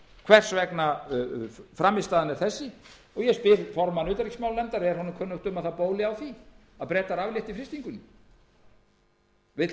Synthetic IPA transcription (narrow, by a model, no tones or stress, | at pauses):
kʰvɛr̥svɛkna | fɾamːɪst̪aːðanɛɾ̥θɛsːɪ | ɔɣjɛspɪɾfɔɾmanʏːt̪aɾiksmawlɛnt̪aɾɛɾ̥hɔnʏmkʰœːnːʏht̪ʏmaðθapoːwlɪawθi | aðpɾɛːt̪aɾavljɪht̪ifɾɪst̪iŋkʏnːɪ | vɪ